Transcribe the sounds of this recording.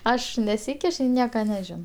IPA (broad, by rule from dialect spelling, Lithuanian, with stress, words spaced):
ˈɐʃ nʲɛˈsʲiːkʲɪʃ ɪr ˈnʲiɛkɐ nʲɛˈʒʲɪnoː